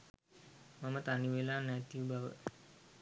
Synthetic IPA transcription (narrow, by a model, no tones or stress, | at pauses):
mamət̪aniʋelaːnæt̪iubaʋə̰